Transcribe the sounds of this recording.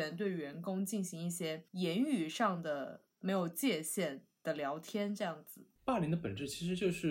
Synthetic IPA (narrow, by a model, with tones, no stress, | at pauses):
ɛ˧˥nt̪̬we˥˩ɪɥɛ˧˥nkʊ˥ŋt͡ɕi˥˩nɕi˧˥ŋi˥˩ɕjɛ˥jɛ˧˥ny˨˩ʂɑ˥˩ŋd̪ə˩ | me˧˥ɪjo˨˩ʊt͡ɕjɛ˥˧ɕjɛ˥˩nd̪̥ə˨ljɑ˧˥ʊt̪ʰjɛ˥nʈ͡ʂɤ˥˧jɑ˥˩ŋd͡zɹ̩˨˩˦pa˥˩li˧˥ŋd̪ə˧pə̰˨˩nʈ͡ʂɻ̩˥˩t͡ɕʰi˧˥ʂ̬ɻ̩˧˥t͡ɕjo˥˧ʊʂɻ̩˥˩